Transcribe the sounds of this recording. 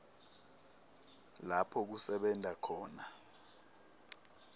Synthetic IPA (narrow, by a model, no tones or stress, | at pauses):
lapʰɔk̬usɛɓɛntakʰɔːna